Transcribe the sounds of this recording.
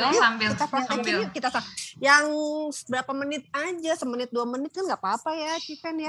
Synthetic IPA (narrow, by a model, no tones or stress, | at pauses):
amit̪apaaiikit̪asakjaŋsəbəɾapamənɪt̪̚ad͡ʒasəmənɪt̪̚duamənɪt̪̚kanɡapapajat͡ʃikɛnja